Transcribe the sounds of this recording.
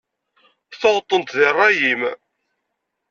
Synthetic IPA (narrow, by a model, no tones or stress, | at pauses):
θoʁt̪ˤːənt̪ðirˤːɑjim